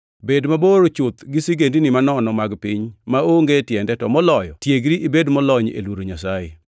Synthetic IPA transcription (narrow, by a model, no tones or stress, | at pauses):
bedmaboɾot͡ʃʊt̪ɡɪsiɡendinɪmanɔnɔmaɡpɪɲmaoŋɡetjɛndɛtɔmɔlɔjɔ̰tjeɡɾiʔibedmɔlɔɲḛlwoɾoɲasajɪ̰